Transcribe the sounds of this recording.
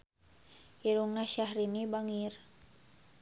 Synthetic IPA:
iɾuŋnaʃahɾinibaŋir

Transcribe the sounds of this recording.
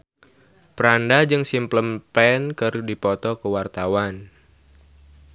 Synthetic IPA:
pəɾandad͡ʒɨŋsimpləmpɛnkɨrdipɔt̪ɔkəwart̪awan

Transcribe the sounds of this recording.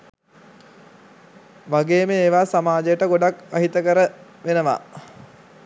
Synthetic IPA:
ʋaɡeːmeeːʋaːsamaːd͡ʒəjəʈəɡoɖakʋaɦit̪əkəɾə | ʋenəʋa̰

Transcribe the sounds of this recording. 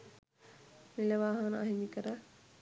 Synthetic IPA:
nilɐʋaːɦɐnəaɦimikəɾə

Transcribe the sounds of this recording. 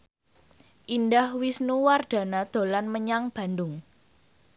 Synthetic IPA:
ʔindahwisnuward̪̥a̤nad̪̥o̤lanməɲaŋb̥a̤ndʊŋ

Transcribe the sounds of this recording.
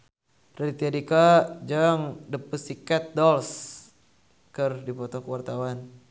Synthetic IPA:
rit̪iadikad͡ʒaŋdəpusikat̪̚dɔls | kɨrdipɔt̪ɔkəwart̪awan

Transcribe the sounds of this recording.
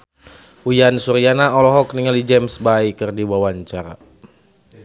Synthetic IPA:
ujansuɾijanaɔlɔɦɔkniŋalid͡ʒɛmsbaikərdiwawaɲt͡ʃaɾa̰

